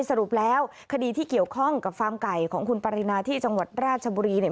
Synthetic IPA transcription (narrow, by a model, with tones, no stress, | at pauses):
jsa˧ɾu˨˩p̚lɛː˦˥w | kʰa˧diː˧t̪ʰiː˥˩ki˨˩əwkʰɔ˥˩ŋka˨˩p̚kaː˧mka˨˩jkʰɔː˩˦ŋkʰu˧npa˧ɾi˧naː˧t̪ʰiː˥˩t͡ɕa˧ŋwa˨˩t̪̚ɾaː˥˩t̪̚t͡ɕʰa˧buː˧ɾiː˧ni˥˩